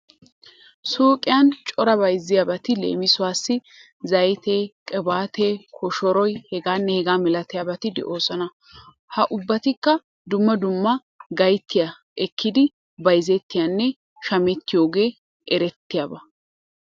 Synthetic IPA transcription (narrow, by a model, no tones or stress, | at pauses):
soːkʼɪjɐnt͡ʃʼɔɾɐbɐjzːɪjaːbɐt̪ɪlḛːmɪsʊwaːsːɪ | zɐjt̪eːkʼɛbaːt̪eːkʰɔʃɔɾɔjhɛɡaːnːɛhɛɡaːmɛlɐt̪ɪjaːbɐt̪ɪd̪ɛ̰ʔo̞ːsɐnɐ | hɐʔʊbːɐt̪ɪkːɐ | d̪ʊmːɐd̪ʊmːɐ | ɡɐjt̪ːɪja | ʔɛkʰːɪd̪ɪ | bɐjzɛt̪ːɪjanːɛ | ʃɐmɛt̪ːɪjo̞ːɡe̞ː | ʔɛɾɛt̪ːɪjaːbɐ